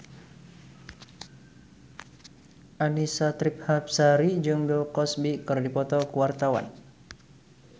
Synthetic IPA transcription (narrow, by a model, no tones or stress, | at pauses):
ʔanisat̪ɾip̚hap̚saɾid͡ʒuŋdɔkɔsbikɨrdipɔt̪ɔkuwart̪awa̰n